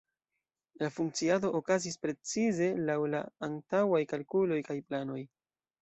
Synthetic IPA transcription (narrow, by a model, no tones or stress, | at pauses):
lafuŋk̚t͡siado̞ʔokazispɾe̞t͡size̞lawlaːntawajkalkulo̞jkajplano̞j